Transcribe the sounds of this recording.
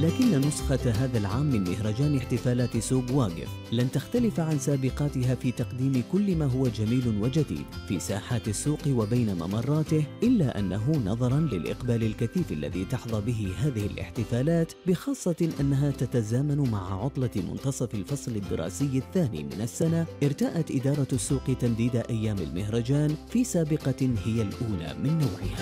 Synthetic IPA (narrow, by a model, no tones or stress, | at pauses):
laːkɪnːanʊsxaɦaːðalʕaːmːɪnmɪɦɾˤɑd͡ʒaːnɪħt̪ɪfaːlaːt̪suːɡwaːɡɪ̰flant̪axt̪alɪfʕansaːbɪqɑːt̪ɪɦaːfiːt̪ɑqd̪iːmɪkʊlːɪmaːɦʊwad͡ʒamiːlʊnwad͡ʒad̪ḭːd̪fḭːsa̰ːħaːt̪asːuːqwabajnama̰mɑrˤːɑːt̪ɪhʔɪlːaʔa̰nːaɦʊnɑðˤɑɾˤɑnlɪlʔɪ̰qbaːlɪlkaθiːfa̰lːa̰ðḭːt̪ɑħðˤɑbɪɦɪɦaːðɪhɪlʔɪ̰ħt̪ɪfaːlaːt̪bɪxɑːsˤːɑʔanːaɦaːt̪at̪azaːmanmaʕaʕʊt̪ˤlɑmʊ̰nt̪ɑsˤɑfalfɑsˤlɪd̪ːɪ̰ɾˤɑ̰ːsɪjːaθːaːnḭːmɪnasːanaʔɪɾt̪aːʔat̪ʔɪd̪ɑːɾˤɑsːuːqt̪amd̪iːd̪ʔajːaːmɪ̰lmɪhɾˤɑd͡ʒaːnfiːsaːbɪqɑhɪjalʔuːla̰ːmɪnːawːʕɪ̰haː